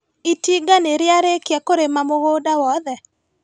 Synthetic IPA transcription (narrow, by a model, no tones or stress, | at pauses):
itiɡaneɾjaɾekjakoɾemamoɣodawɔðɛ